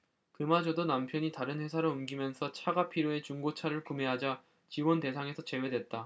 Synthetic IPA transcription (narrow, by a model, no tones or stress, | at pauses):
kɯmad͡ʑodonampʰjʌɲitaɾɯnɸwe̞sʰaɾoumɡimjʌnsʰʌt͡ɕʰaɡapʰiɾjoe̞t͡ɕuŋɡot͡ɕʰaɾɯɭkume̞ɦad͡ʑa | t͡ɕiwonte̞s̬ʰaŋe̞sʰʌt͡ɕe̞we̞dwe̞t̚t͈a